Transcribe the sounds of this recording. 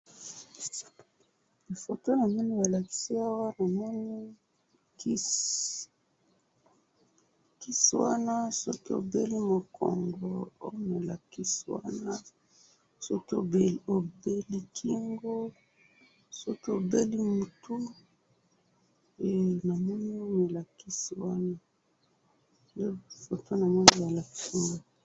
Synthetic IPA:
li˨fo˨to˦na˨mɛ˦ni˦ja˨la˨ki̥˦si˦a˦wa˦na˨mɔ˦ni˦ | k | ki˦swa˦na˦so˦ki˦o̰˨be˦li˦mo˨kʰo̰˨ŋɡo˨o̰˦na˨la˨ki˦si˦wa̰˦na˦ | so˦ki˦o̰˨be˨o˨be˦li˦kʰi˦ŋɡo˦ | so˦ki˦o˨be˦li˦mu˨tʰu˦ | e˨na˨mɔ˦ni˦o˦me˨la˨ki˦si˨wa˦na˦ | nde˦fo˨to˦na˨mɔ˦ni˦ja˨la˨ki˦ŋɡo˨

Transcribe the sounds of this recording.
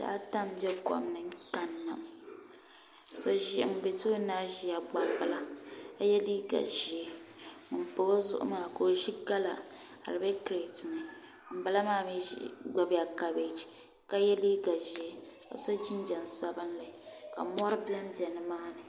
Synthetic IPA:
da̰ː˦ta˦mbɛ˦kɔ̰˨mnɨ˨ŋ˦ka˨nːa˨m˨ | so˦ʒi˦m̩˦be˨to˦naː˦ʒi˦ja˨ɡ͡ba˦ba˨la˨a˦jɛ˦li˦ɡa̰˨ʒi˨e˦˨ | po˨˦o˦zʊ̰˦ʔʊ̰˦maː˨ko˨ʒi˦ɡa˦la̰˨ | ha̰˨lɨ˨bɛ˦kɾe˨tnɨ˨ | m̩˨ba˦la˦maː˦˨mḭ˦ɡ͡ba˨ba˨ka˨be˨d͡ʒi˨ | ka˦jɛ˦li˦ɡa˨ʒi˨e˦ | ka̰˨so˦d͡ʒi˦n˦d͡ʒɛ˨n˨sa˦bɨ˦nlɨ˨ka̰˨mɔ˦ɾɨ˦bi˦a˦m˦bɛ˨nɨ˦maː˦nɨ˨

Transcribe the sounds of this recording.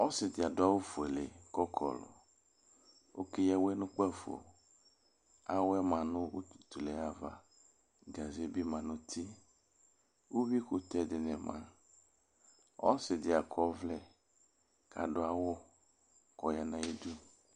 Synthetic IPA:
ɔ˦sɪ˨dɪ˨a˨dʊ˦a˦wo˦fʊ˨ɛ˨lḛ˨kɔ˦kʰɔ̰˨lɔ̰˨ | wo̰˦ke˦jɛ˦wɛ˦nʊ̃˦k͡pa˦fo̰˨ | a˦wɛ˦mã˨nʊ̃˦wo̰˦tt̪u˨lɛ˨a˦va̰˨ | ɡa˨zi˨˦bi˦mã˨nʊ̃˦t̪ʰi˦ | wo˦wi˦kʊ˨t̪ɛ˦dɪ˨nɛ˨mã̰˨ | ɔ̰˦sɪ˨dɪ˨a˨kʰɔ˦vlɛ˦ | ka˨dʊ˦a˦wo˦ | kɔ˨ja˦nã˦i˦du˦

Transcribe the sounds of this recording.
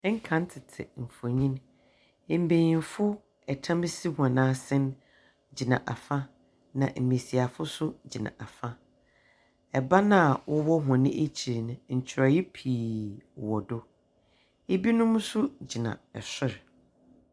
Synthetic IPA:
ɛ˦ŋ̩˦kʰã˦n̩˦tʰɪ˨tʰɪ̰˨m̩˨fʊ˨ɲĩ˦n | e˨m̩˨be˨ɲĩ˨fʊ˦ | ɛ˨tʰã˦mɪ˦si˦hã˨nãː˦sɛ̃˦n | d͡ʑi˨nã̰˨ʔa˨fa˦ | nã˨ʔm̩˨me˨si˨a˨fʊ˦sʊ˦d͡ʑi˨nã̰˨ʔa˨fa˦ | ɛ˨ba˦nã˦˨wʊ˦wɔ˦ɦʊ̃˨nɪ̃˦ʔe˦t͡ɕʰi˨ɾnʊ̃˨ɲ̩˨t͡ɕʰɪ˨ɾɔ˨jɛ˦pʰiː˨wɔ˨dʊ˦ | e˦bi˦nʊ̃˦m˦sʊ˦d͡ʑi˨nã̰˨ɛ˨sʊ˦ɾ

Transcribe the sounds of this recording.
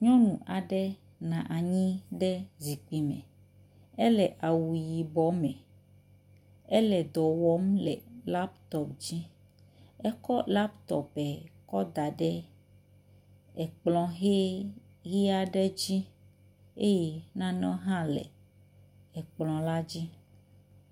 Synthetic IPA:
ɲɔ̃˦nũ˨ʔa˨ɖɛ˦ | nã˨ʔa˨ɲĩ˦ɖɛ˦zi˨k͡pi˨mɛ̰̃˨ | ɛ˦lɛ˨ʔa˨wu˨ji˨bɔ˦mɛ̃˨ | ɛ˦lɛ˨d̪ɔ˨wɔ˦mlɛ̰˨la˦p̚t̪ɔ˨pd͡ʑi˦ | ɛ˦kɔ˦la˦pt̪ɔ̰˨pɛ˨kɔ˦d̪a˨ɖɛ˦ | ɛ˨k͡plɔ̃˨ɦe˦ | ɣi˦a˦ɖɛ˦d͡ʑi˦ | e˦jɛ˨nã˦nɔ̃˦ɦã˦lɛ̰˨ | ɛ˨k͡plɔ̃˨la˦d͡ʑi˦

